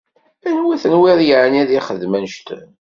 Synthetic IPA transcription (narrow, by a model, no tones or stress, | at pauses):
ænwiθənwiðˤjəʕənæðiχəðmænʃt̪